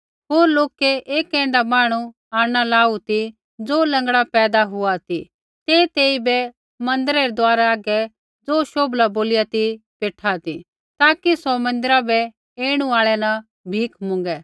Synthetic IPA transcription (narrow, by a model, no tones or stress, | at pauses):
ɦoːɾloːkɛʔeːkɛ̃ːnd̪amaːɽ̃ũ | aːɽ̃alaːut̪i | d͡zoːlɐ̃ŋɡɽapɛːd̪aɦʊat̪i | t̪eːt̪eːibɛ | mɐ̃nd̪əɾɛɾɛd̪ʊaːɾaaːɡɛ | d͡zoːʃoːblaboːlɪjat̪ipeːʈʰat̪ḭ | t̪aːkisɔmɐ̃nd̪ɪɾabɛ | eːɽ̃ũaːɭɛnɐ | bʱiːkʰmʊ̃ŋɡɛ